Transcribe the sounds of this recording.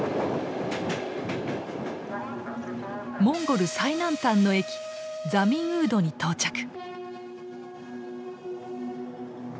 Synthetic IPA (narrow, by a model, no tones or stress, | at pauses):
mõ̞ŋɡo̞ɾɯ̟sainãnt̪ãnːo̞e̞kʲi̥ | d͡zamʲĩɰ̃ɯ̟ːd̪o̞ɲ̟it̪o̞ːt͡ɕakɯ̥